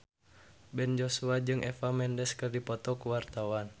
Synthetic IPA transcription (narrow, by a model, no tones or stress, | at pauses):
bɛnd͡ʒosuad͡ʒɨŋʔɛfamɛndɛskɨrdipɔt̪ɔkuwart̪awan